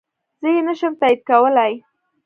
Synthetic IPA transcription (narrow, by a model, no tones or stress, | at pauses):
z̥əjenəʃəmt̪aid̪̚kawəlaj